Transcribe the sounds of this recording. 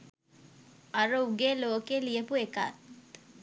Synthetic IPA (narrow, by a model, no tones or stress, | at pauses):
aɾuuɡeːloːkeːlijəpueka̰t̪